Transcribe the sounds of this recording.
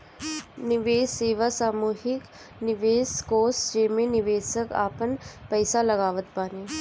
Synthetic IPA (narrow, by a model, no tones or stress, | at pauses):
nɪʋeːsːeːʋasaːmuːɦɪk | nɪʋeːskoːsd͡ʒeːmẽnɪʋeːsəka̰ːpənpəɪsalɐɡaːʋət̪baːneː